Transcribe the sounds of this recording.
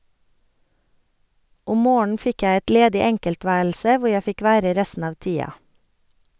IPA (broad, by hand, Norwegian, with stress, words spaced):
ˈʊm ˈmoːɳn̩ ˈfɪk ˈjæ ˈɛt ˈleːdɪ ˈɛŋkəlˌtʋæːɭsə ˈʋʊɾ ˈjæ ˈfɪk ˈʋæːɾə ˈɾɛstn̩ ˈɑːʋ ˈtiːɑ